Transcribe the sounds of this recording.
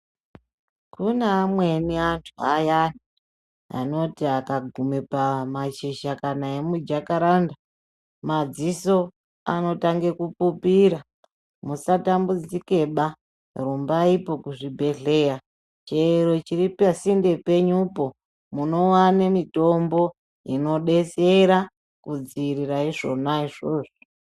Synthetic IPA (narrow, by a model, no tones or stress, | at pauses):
kʰuneamwe̞niantʰuajani | a̰no̞tiakaɡʱumepamat͡ʃiʃakanae̞mud͡ʒakaɾanda | mad͡ziso̞ | a̰no̞taŋɡe̞kupupiɾa | musatambud͡zike̞ɓa | rumbaipo̞kuʐibʱe̞ɮe̞ja | t͡ʃeɾot͡ʃiɾipasinde̞pe̞ɲupo̞ | muno̞wanemito̞mbo̞ | ino̞ɗe̞t͡seɾa | kud͡ziːɾiraiʐo̞naiʐoːʐo